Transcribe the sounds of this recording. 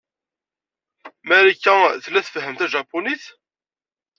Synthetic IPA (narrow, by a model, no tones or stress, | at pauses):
mæɾikːæθəlːæθfəɦəmt̪æʒɑpːoniθ